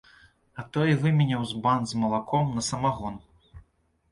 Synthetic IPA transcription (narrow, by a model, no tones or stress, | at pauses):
ɐt̪ɔjivɨmʲɛnʲɐwzband̪zmɐlˠakʰɔmnɐsɐmaɣɔn